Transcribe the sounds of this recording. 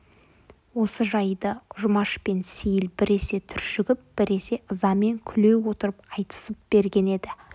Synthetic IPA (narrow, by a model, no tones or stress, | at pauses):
wo̞səʒɑjd̪əʊʒʊmɑʃpe̞nsejɪlbɪɾe̞se̞t̪ʰʏɾʃʏɡʲɪp̚b̥ɪɾe̞se̞ʔəzɑme̞ŋkʲʰʏle̞wwo̞t̪əɾəp̚qʰɑjt̪ə̥səp̚b̥e̞ɾɡʲe̞ne̞d̪ɪ